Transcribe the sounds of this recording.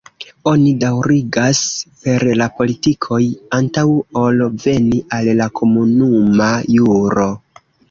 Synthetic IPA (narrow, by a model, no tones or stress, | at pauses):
o̞nidawɾiɡaspe̞ɾlapo̞litikʰo̞jantawo̞lve̞niʔalːakʰo̞munumajuɾo̞